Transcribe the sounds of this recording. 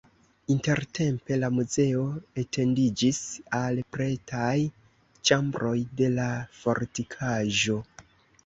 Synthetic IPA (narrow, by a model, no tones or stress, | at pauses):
inte̞ɾte̞mpe̞lamuze̞o̞etʰe̞ndid͡ʒisalpɾe̞taj | t͡ʃambɾo̞jde̞lafo̞ɾtikʰaʒo̞